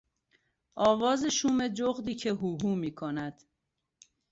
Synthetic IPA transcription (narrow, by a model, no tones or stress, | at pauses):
ʔɒːvɒːzeʃuːme̞d͡ʒoɣd̪iːcʰeɦuːɦuːmiːkʰonæd̪̥